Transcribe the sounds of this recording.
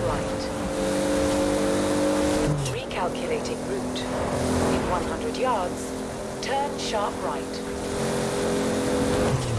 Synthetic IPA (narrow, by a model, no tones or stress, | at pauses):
ɹaɪt | ɹikʰalˠkʰjəleɪtɪ̃dɹʉˑt | ɪ̃nwʌ̃nhʌ̃ndɹədjɑːdz̥ | tʰɜːnʃɑˑpɹaɪt